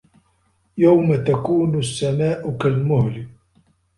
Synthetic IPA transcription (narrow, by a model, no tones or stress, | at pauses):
jawmat̪akuːnʊsːamaːʔʊkalmʊhlɪ